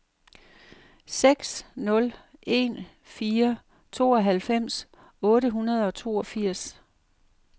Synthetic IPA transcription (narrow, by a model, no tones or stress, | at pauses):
seɡ̥snɔ̽le̝̰n | fiːɐ | t͡sʰo̝ːɒ̽ɦælfem̰s | ɔ̽ːɾəɦunɐð̞ˠɒ̽t͡sʰo̝̰ːɒ̽fiɐ̰s